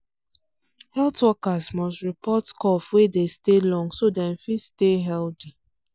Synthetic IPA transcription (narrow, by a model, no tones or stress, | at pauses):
hɛltwɔkazmɔstɹipɔtkɔfwedestelɔ̃ŋsodɛ̃nfitsteɦɛlti